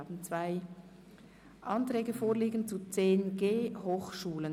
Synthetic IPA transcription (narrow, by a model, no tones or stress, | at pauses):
bn̩t͡svaɪ | ʔɑntʁɛːɡəfoːʁliːɡən̩t͡sut͡seːnɡ̥eːhoːxʃuːlən